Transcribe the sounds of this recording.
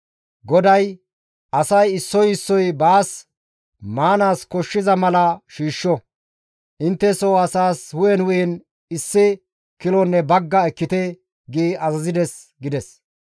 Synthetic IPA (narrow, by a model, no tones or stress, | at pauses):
ɡɔd̪ɐj | ʔɐsɐjɪsːɔjɪsːɔjbaːs | maːnaːskɔʃːɪzɐmɐlɐʃiːʃːɔ | ʔɪnt̪ːɛsɔwɐsaːshʊjɛnwʊjɛn | ɪsːɪ | kɪlɔnːɛbɐɡːɐɛkːɪt̪ɛ | ɡiːɐzɐzɪd̪ɛs | ɡɪd̪ɛs